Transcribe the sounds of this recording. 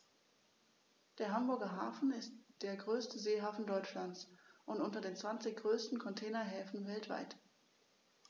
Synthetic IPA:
d̥eːɐɦambʊɐɡɐɦaːfn̩ɪstd̥eːɐɡʁøːstəzeːɦaːfn̩dɔʏt͡ʃlant͡sʔʊntʔʊntɐdeːnt͡sv̥ant͡sɪçɡ̥ʁøːstn̩kʰɔntʰɛːnɐɦɛːfn̩vɛltv̥a̰ɪt

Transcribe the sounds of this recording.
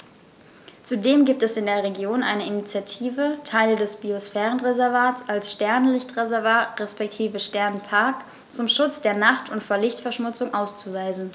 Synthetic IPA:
t͡sudeːmɡiːp̚tɛsɪndeːɐʁeɡjoːnʔaɪnəinit͡sjatʰiːvətʰaɪldɛsb̥iosfɛːʁənʁezɛɐvaːtsalsʃtɛɐnlɪçtʁ̥ezɛɐvaːtʁɛspɛk̚tʰiːvəʃtɛɐnpʰaɐk | t͡sʊmʃʊt͡sd̥eːɐnaχtʰʊntfoːɐlɪçtfɛɐʃmʊt͡sʊŋʔaʊst͡suvaɪzn̩

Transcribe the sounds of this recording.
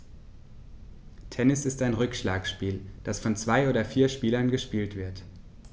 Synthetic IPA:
tʰɛnɪsɪstaɪnʁʏkʃlaːkʃpiːld̥asfɔnt͡sv̥aɪʔoːdɐfiːɐʃpiːlɐnɡəʃpiːltv̥ɪɐt

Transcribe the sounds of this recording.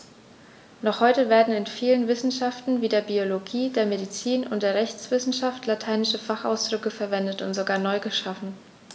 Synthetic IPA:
nɔχhɔʏtəveːɐdn̩ɪnfiːlənvɪsn̩ʃaftn̩viːdeːɐbioloɡiːdeːɐmedit͡siːnʊ̰ntd̥eːɐʁɛçt͡sv̥ɪsn̩ʃaftlatʰaɪnɪʃəfaχaʊsd̥ʁʏkəfɛɐvɛndətʊntz̥oɡaːɐnɔʏɡəʃafn̩

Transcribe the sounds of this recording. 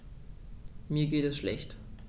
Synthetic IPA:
miːɐɡeːtɛsʃlɛ̰çt

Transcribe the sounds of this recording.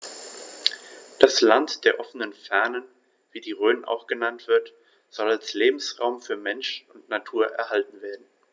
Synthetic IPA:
d̥aslantd̥eːɐʔɔfənənfɛɐnən | v̥iːdiːʁøːnənʔa̰ʊxɡ̥ənantv̥ɪɐt | z̥ɔlalsleːbm̩sʁaʊmfyːɐmɛnʃʊntnatʰuːɐʔɛ̰ɐhaltn̩veːɐdn̩

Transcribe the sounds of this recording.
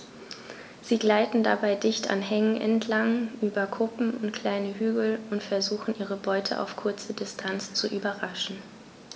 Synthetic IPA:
z̥iːɡlaɪtn̩da̰baɪdɪçtʰa̰nɦɛŋənʔɛ̰ntʰlaŋʔyːbɐkʰʊpm̩ʊntkʰl̥aɪnəɦyːɡl̩ʊntfɛɐzuːxn̩ʔiːʁ̞əbɔʏtʰəʔa̰ʊfkʰʊɐt͡sədɪstʰant͡st͡suʔyːbɐʁaʃn̩

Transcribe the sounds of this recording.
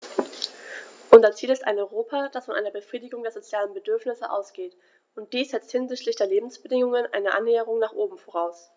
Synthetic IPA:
ʔʊnzɐt͡siːlɪsta̰ɪnɔʏʁoːpʰad̥asfɔnʔaɪnɐbəfʁ̥iːdɪɡʊŋdeːɐzot͡sjaːlənbədʏɐfnɪsəʔa̰ʊsɡ̥eːt | ʊnt̚d̥iːsz̥ɛt͡sthɪnzɪçtlɪçd̥eːɐleːbm̩sb̥ədɪŋʊŋənʔa̰ɪnəʔa̰nːɛːəʁ̞ʊŋnaːχʔoːbm̩foʁ̞aʊs

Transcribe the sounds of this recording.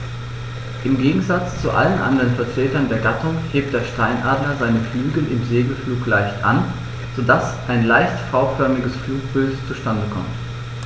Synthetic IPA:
ʔɪmɡeːɡŋ̩zat͡st͡suʔa̰lənʔa̰ndəʁənfɛɐtʁ̥eːtɐndeːɐɡatʰʊŋheːp̚t̚d̥eːɐʃtaɪnʔaːdlɐzaɪnəflyːɡl̩ɪmzeːɡl̩fluːklaɪçtʔa̰n | z̥odasʔaɪnlaɪçtfaʊfœɐmɪɡəsfluːk̚b̥ɪltt͡suʃtandəkʰɔ̰mt

